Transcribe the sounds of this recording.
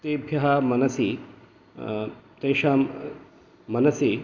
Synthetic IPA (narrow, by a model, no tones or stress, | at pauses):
t̪eːbʱjɐɦɐmɐnɐsi | t̪eːʃaːm | mɐnɐsi